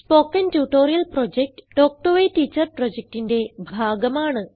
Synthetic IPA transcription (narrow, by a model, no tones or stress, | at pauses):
spo̞ːkːɐntjuːʈoːɾijɐlproːd͡ʑek̚ʈɨ̥ɖoːk̚ʈoʋetiːt͡ɕːɐrproːd͡ʑek̚ʈinde̞bʱaːɡɐmaːɳɨ